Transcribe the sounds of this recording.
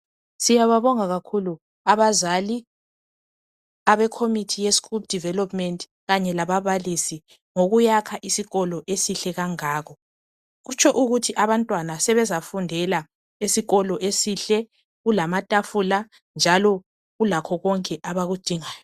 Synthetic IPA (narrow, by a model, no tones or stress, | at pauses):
sijaβaβɔŋaɣakʰulu | aβazali | aβɛkʰomitʰijeskup̚d̥ʱivɛlɔpʰʼmɛntʼ | ɣaɲɛlaβaβalisi | ŋoɣujakʰaʔisiɣɔlɔʔesiɬɛɣaŋaːɣɔ | ɣut͡ʃʰɔʔuɣutʰiʔaβantʼwanasɛβɛzafundʱɛla | esiɣɔlɔʔesiɬɛ | ɣulamatʼafula | nd͡ʒʱalɔ | ɣulakʰɔɣɔŋkʼɛʔaβaɣud̥ʱiŋaːjɔ